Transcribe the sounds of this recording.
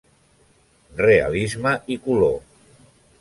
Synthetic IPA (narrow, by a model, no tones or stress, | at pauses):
rea̰lizməʔikulo